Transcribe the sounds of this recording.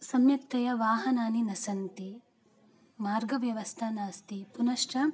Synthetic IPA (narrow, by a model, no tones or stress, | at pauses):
sɐmjɐkt̪ɐjɐʋaːɦɐnaːninɐsɐnt̪i | maːɾɡɐʋjɐʋɐst̪ʰaːnaːst̪ipunɐʃʈɐ